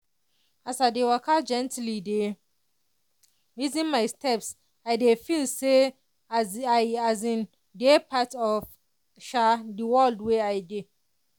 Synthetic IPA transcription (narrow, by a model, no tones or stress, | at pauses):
asadewakʰad͡ʒɛ̃ntlide | wizĩnmajstʰɛps | ajdefilse | ajazĩn | depʰatɔf | ʃadiwɔldweajde